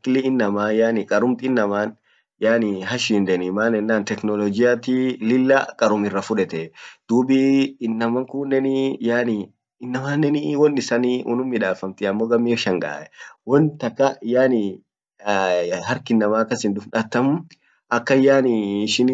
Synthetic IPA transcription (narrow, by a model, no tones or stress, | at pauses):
kɪlɪɪnːɐmaːjaːnɪkʼɐɾʊmt̪ɪnːɐmaːn | jaːnɪɦɐʃiːnd̪ɛnɪmaːnɛnːaːnt̪ɛknɔlɔd͡ʒɪjaːt̪ilɪlːaːkʼɐɾʊmɪrːɐfʊᶑɛt̪ɛd̪̥uːbiːnːɐmɐŋkuːnːɛnijaːnɪ | ɪnːɐmaːnːɛniwɔnːɪsɐniʊ̰nʊmːɪᶑaːfɐmt̪ɪɐmːoːɡɐmːiɪʃɐŋɡa̰ːʔɛwɔnt̪ɐkːɐjaːnɪ | hɐɾkɪnːɐmaːkːɐsɪnd̪ʊfᶑat̪ːɐmʊ | ɐkːɐjaːnɪːʃɪn